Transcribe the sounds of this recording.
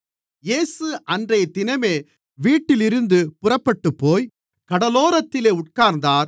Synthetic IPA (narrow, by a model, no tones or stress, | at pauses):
jeːsɯʔɐndrɐjt̪ɪnɐmeː | ʋiːʈːɪlɪɾɯnd̪ɯpʊrɐpːɐʈːɯpːoːj | kɐɽɐloːɾɐt̪ːɪleːʊʈ̚kaːɾnd̪aːɾ